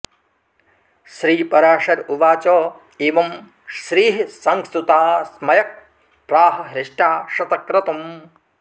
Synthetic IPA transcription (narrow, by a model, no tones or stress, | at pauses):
ʃɾiːpɐɾaːʂɐɾuʋaːt͡ʃoː | eːʋɐm | ʃɾiːɦisɐŋst̪ut̪aːsmɐjɐk̚ | pɾaːɦɐ̆ɦɾɪʂʈaːʃɐt̪ɐkɾɐt̪ɐm